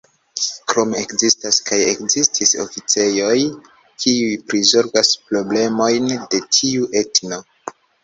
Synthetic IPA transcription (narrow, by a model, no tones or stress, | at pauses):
kɾo̞me̞kzistaskajekzistʰiso̞̰fit͡se̞jo̞j | kʰiujpɾizo̞ɾɡaspɾo̞ble̞mo̞jnde̞tʰiuʔe̞tno̞